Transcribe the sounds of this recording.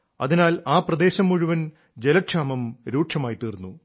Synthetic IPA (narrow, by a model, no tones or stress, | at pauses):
ɐ̰ðinaːlaːprɐd̪e̞ːɕɐmːuɻuʋɐn | d͡ʑelɐʈʂaːmɐmɾuːʈʂɐmaːjt̪iːrnːu